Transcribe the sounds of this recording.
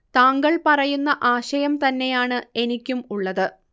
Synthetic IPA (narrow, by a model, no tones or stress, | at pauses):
t̪aːŋɡɐɭpɐrɐjunːɐʔaːɕɐjɐmt̪ɐnːe̞jaːɳɨe̞nikʲːumuɭːɐðɨ